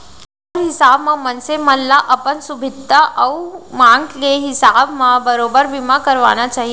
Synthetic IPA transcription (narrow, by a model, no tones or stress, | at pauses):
ɾɦɪsaːbmãmənseməlːaʔɐpənsʊbʱɪd̪aʔəumãːŋɡkeɦɪsaːbmãbəɾoːbəɾbɪmakəɾʋa̰ːnat͡ʃaːɦi